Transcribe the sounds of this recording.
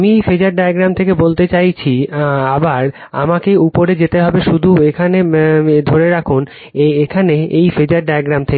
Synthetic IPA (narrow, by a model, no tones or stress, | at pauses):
mifed͡ʑaɾɖajaɡɾamt̪ʰek̬ebolt̪et͡ɕajt͡ɕʰiabaɾ | a̰makeupoɾed͡ʑet̪eɦɔbeʃud̪ʱuekʰaned̪ʱoɾeɾakʰun | eekʰaneejfed͡ʑaɾɖajaɡɾamt̪ʰeke